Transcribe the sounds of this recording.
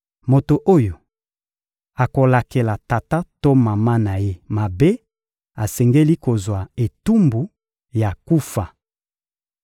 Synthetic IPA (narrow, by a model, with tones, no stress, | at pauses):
mo˨to˨ʔo˦jo˨ | a˨ko˨la˨ke˨la˨ta˨ta˦to˦ma˨ma˦na˨je˦ma˨be˦ | a˨sɛ˨ŋɡe˦li˦ko˨zwa˨e˨tu˦mbu˨ | ja˨ku˦fa˨